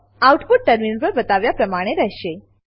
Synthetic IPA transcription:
awʈpuʈ̚ʈəɾminpəɾbət̪aʋjapɾəmaɽ̃eɾəɦɕe

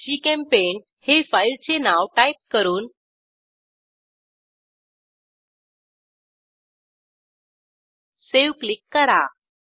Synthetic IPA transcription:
d͡ʑiːkɛ̃mpen | hefailt͡senaʋʈaip̚kəɾuːn | seʋklikːəɾa̰

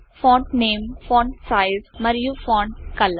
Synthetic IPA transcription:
fɔ̃ːɳʈneːmfɔ̃ːɳʈsaɪzmɐɾjufɔ̃ːɳʈkɐlː

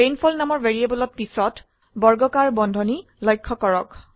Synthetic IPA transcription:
ejnpʰɔlnamɔɹveɹiebɔlɔt̚pisɔt | bɔɹɡɔkaɹbɔndʱɔni | lɔjkʰːɔkɔɹɔk

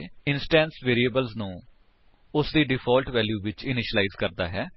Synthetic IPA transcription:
ɪnsʈɛ̃ːnsʋeːɾiːəbəlznũː | ʊsd̪iːɖɪpʰɔːlʈʋɛːljuːʋɪt͡ʃɪnɪʃəlaizkəɾd̪a̰ːɦɛː

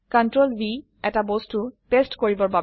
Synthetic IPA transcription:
kantɹolbi | ɛtabostutestkoɹibɔɹba

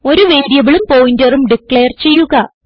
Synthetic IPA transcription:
o̞ɾuʋeːdjɐʋiɭumpo̞ːjindɐrumɖikɭeːrt͡ɕe̞jːuɣɐ

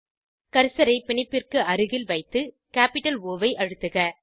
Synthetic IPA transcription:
kɐɾɯsɐɾɐɪpɪɳɪpːɪrkɯʔɐɾɯɣɪlʋɐɪt̪ːɯ | kaːpɪʈːɐloːʋɐɪʔɐɻɯt̪ːɯɣɐ

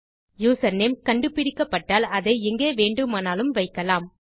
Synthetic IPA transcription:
juːsɐnːemkɐɳɖɯpːɪɾɪkːɐpːɐʈːaːlɐðɐɪɛŋɡeːʋeːɳɖɯmaːnaːlɯmʋɐɪkːɐlaːm

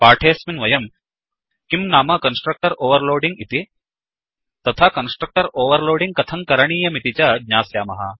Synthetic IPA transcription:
paːʈʰeːsminʋɐjɐm | kimnaːmɐkɐnsʈɾɐk̚ʈɐɾoːʋɐɾloːɖiŋɡit̪i | t̪ɐt̪ʰakɐnsʈɾɐk̚ʈɐɾoːʋɐɾloːɖiŋɡ̚kɐt̪ʰɐŋkɐɾɐɳ̃iːjɐmit̪it͡ʃɐɡɲaːsjaːmɐɦɐ̰

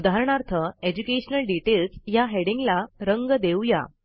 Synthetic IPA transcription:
d̪ʱaɦɾɳ̃aɾt̪ʰəed͡ʑukeɕnəlɖiʈelsjaɦeɽĩŋɡlaɾəŋɡəd̪ewja̰

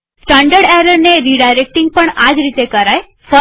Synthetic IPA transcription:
sʈãɳɖəɽɛɾəɾneɾiɖajɾek̚ʈiŋɡ̚pəɳad͡ʒɾit̪ekəɾaj | fə

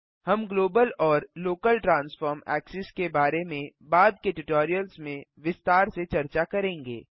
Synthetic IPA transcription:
hɐmɡloːbəlɔːɾloːkəlʈɾãːnsfɔːɾmɛ̰ːksɪskebaːɾemẽbaːd̪̚keʈɪʈɔːɾijəlsmẽʋɪst̪aːɾset͡ʃɐɾt͡ʃakɐɾẽːŋɡḛː

